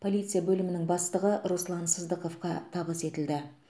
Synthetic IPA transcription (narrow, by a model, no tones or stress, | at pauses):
pʰo̞lijt̪sɨjabɵlɪmɪnɪŋbɑst̪əʁəʔɾuslˠɑnsəzd̪əqo̞fqɑt̪ʰɑβəse̞t̪ɪld̪ɪ